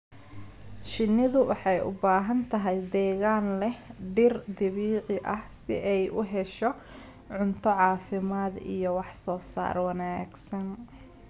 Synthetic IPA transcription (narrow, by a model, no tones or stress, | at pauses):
t͡ʃɪnːɪðʊwɑħɑjʔʊ̰baːɦɐnt̪ʰɐɦɛjd̪ɛːɣaːnlɛhɖɪrd̪ɪβiːʕɪʔɐhsɪ̰ʔɛjʔʊɦɛʃɔ | ʕʊnt̪ʰɔʕɑːfɪmaːd̪ḭjɔwɑħsɔːsa̰ːrwɑnaːɡsɐn